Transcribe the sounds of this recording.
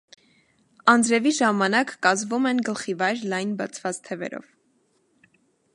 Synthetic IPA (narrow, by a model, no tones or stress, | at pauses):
ɑnd͡zɾɛviʒɑmɑnɑkːɑzvumɛnɡəlχivɑjɾlɑjnbɑt͡sʰvɑt͡st̪ʰɛvɛ̰ɾɔ̰v